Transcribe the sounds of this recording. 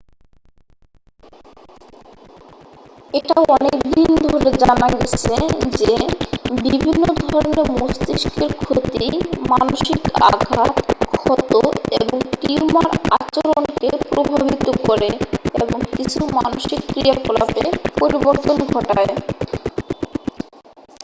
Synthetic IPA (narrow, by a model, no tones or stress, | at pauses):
eʈaɔnekd̪ind̪ʱoɾed͡ʑanaɡet͡ɕʰed͡ʑebibʱinːod̪ʱɔɾoneɾmost̪iʃkeɾkʰot̪imanoʃika̰ɡʱat̪kʰɔt̪ːo̰eboŋʈimaɾa̰t͡ɕoɾonnkepɾobʱabʱit̪okɔɾeeboŋkit͡ɕʰumanoʃikːɾijakolapḛpoɾiboɾt̪onɡʱɔʈae